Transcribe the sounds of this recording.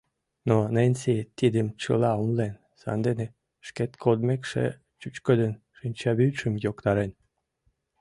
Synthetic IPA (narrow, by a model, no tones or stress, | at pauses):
nonenʲset̪id̪əmt͡ɕə̰lɑumlen | sɑ̰nd̪ene | ʃket̪kʰod̪mekʃḛ | t͡ɕyt͡ɕkəd̪ən | ʃɨnʲt͡ɕɑβyʃə̆mjokt̪ɑɾen